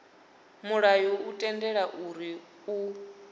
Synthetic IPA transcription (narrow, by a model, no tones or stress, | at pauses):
muɺajɔutʼɛndɛɺaʔuɾi | u